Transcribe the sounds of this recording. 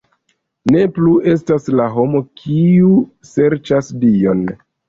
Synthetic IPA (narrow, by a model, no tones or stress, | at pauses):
ne̞plue̞s̬taslaɦo̞mo̞kʰiu | se̞ɾt͡ʃasdio̞n